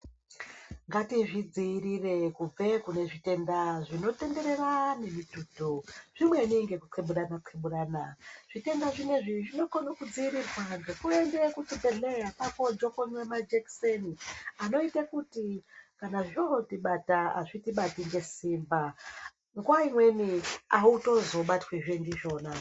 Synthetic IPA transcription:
ŋɡatiʐid͡ziːɾire̞kub͡vekune̞ʐite̞ndaʐino̞te̞nde̞ɾe̞rane̞mituːtuʐ̥imwe̞niŋɡe̞kuǀʰeɓuɗanaǃʰeɓuɗanaʐ̥ite̞ndaʐine̞ʐiʐino̞konokud͡ziːɾirwaŋɡekuendekutubeɮeapako̞d͡ʒokonwemad͡ʒekseniano̞itakutikanaʐootiɓataa̰ʐitiɓatiŋɡe̞siːmba | ŋɡuwaimwe̞niauto̞zo̞ɓatweʐendiʒo̞ːna

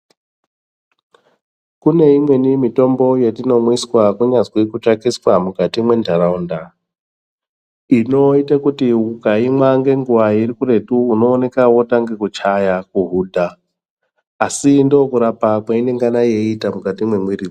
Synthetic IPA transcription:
kune̞imwe̞nimito̞mbo̞jetino̞mwiswakuɲazwikut͡ʃakiswamukatimwe̞ndʱaraunda | ino̞itakutiukaimwaŋɡe̞ŋɡuʋairikure̞tuːno̞ːne̞kawo̞taŋɡe̞kut͡ʃajakuɦuːdʱa | sindokuɾapakwaine̞ŋɡanaje̞itamukatimwe̞mwiri

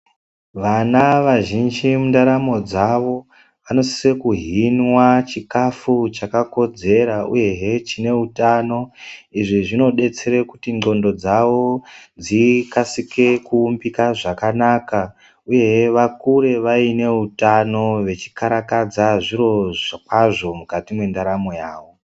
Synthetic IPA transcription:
ʋanaʋaʒind͡ʒimundaɾamo̞d͡zaʋo̞ | ʋano̞si̥sekuɦinwat͡ʃikafut͡ʃakako̞d͡ze̞ɾaṵje̞ɦet͡ʃine̞utano̞iʐiʐino̞ɗe̞t͡se̞ɾekutiŋ͡ǃo̞ndo̞d͡zaʋo̞d͡zikasike̞kuːmbikaʐakanaka | uje̞ɦeʋakuɾe̞ʋaine̞utano̞ʋe̞t͡ʃi̥kaɾakad͡zaʐiɾo̞ʐakaʐo̞mukatimwe̞ndaɾamo̞jaːʋo̞

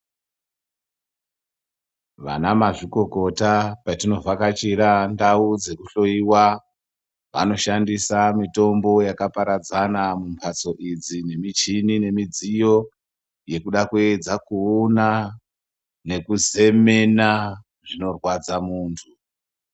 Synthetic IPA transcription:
ʋanamaʐiko̞ko̞tapatino̞vakat͡ʃiɾandaud͡ze̞kuɬo̞iwa | ʋa̰no̞ʃandisamito̞mbo̞jakapaɾad͡zanamumpʰat͡so̞ʔid͡zine̞mit͡ʃinine̞mid͡zijo̞ | je̞kuɗakue̞d͡zakuuna | ne̞kuze̞me̞na | ʐino̞rwad͡zamuːntʰu

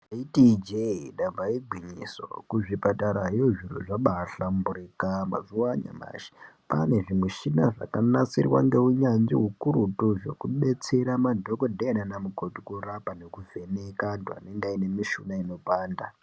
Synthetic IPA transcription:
itid͡ʒeiɗavaiɡʱwiɲiso̰kuʐipataɾaɦijoʐirṵʐaɓaɬambuɾikama̰zuwaɲa̰ma̰ʃi̥pane̞ʐimweʃinaʐa̰kanat͡sirwa̰ŋɡe̞uɲanʐḭɦukuɾutuʐo̞̰kuɓe̞t͡se̞ɾamadʱo̞kodʱeananamukotukuɾapanekuve̞ne̞kantua̰neŋɡaine̞miʃunaino̞paːnda

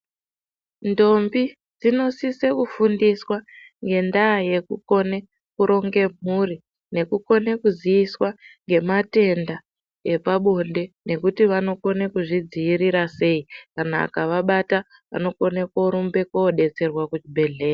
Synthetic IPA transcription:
ndo̞mbi | d͡zino̞sise̞kufundiswa | ŋɡe̞ndaːje̞kuko̞ne | kuɾo̞ŋɡe̞m̤uri | ne̞kuko̞nekuziiswaŋɡe̞mate̞nda | e̞paɓo̞nde̞ | ne̞kutiʋano̞ko̞nekuʐid͡ziːɾiɾase̞ikana̰ːkaʋaɓata | ʋa̰no̞ko̞nekoɾumbe̞koːɗe̞t͡se̞rwakut͡ʃibʱe̞ɮe̞ːra

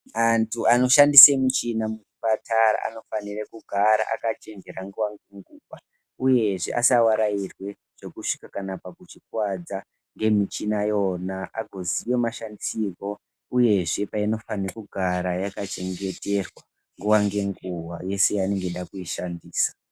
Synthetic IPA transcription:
antʰuano̞ʃandisemut͡ʃinamuupatʰaɾa̰a̰no̞fanirekuɡʱaɾa̰ʔa̰kat͡ʃe̞ŋɡe̞ɾaŋɡuwaŋɡe̞ŋɡuwa | uje̞ʐḛʔa̰sawaɾairwe̞ | ʐ̥o̞kuʂi̥kakanapakut͡ʃikwad͡za | ŋɡe̞mit͡ʃinajo̞naʔaɡʱo̞ziʋemaʃandisiko̞ | uje̞ʐe̞paino̞fanirekuɡʱaɾajakat͡ʃe̞ŋɡe̞te̞rwa | ŋɡuwaŋɡe̞ŋɡuwaje̞se̞jane̞ŋɡe̞ɗakuiʃandiːsḁ

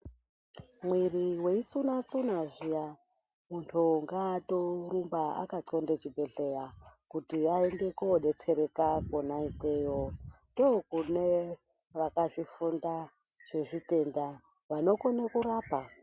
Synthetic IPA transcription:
mwiriwe̞it͡sunat͡sunaʐija | muntʰuŋɡaːto̞rumbaa̰kaǀo̞ndet͡ʃibʱe̞ɬejakutiaeŋɡe̞kuoɗe̞t͡se̞ɾe̞kakonaikwejondokune | ʋakaʐifunda | ʐ̥e̞ʐite̞nda | ʋano̞konakuɾaːpa

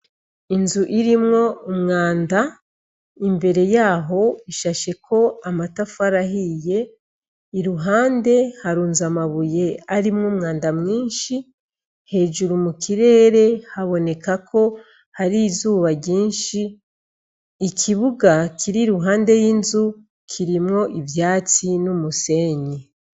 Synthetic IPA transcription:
inzuʔiɾimŋo̞umŋaːnda | imbe̞ɾe̞jaːɦo̞iʃaʃe̞kʰo̞amatafaɾaɦije̞ː | ɾuɦaːnde̞haɾuːnzamaβuje̞aɾimŋuːmŋaːndamŋiːnʃi | he̞ːʒuɾumukiɾe̞ːɾe̞haβo̞ne̞kakʰo̞ | haɾizuːβaɟiːnʃi | kʰiβuɡakʰiɾiɾuɦaːnde̞jiːnzu | kʰiɾimŋo̞ʔivjaːt͡sinumuse̞ɲe

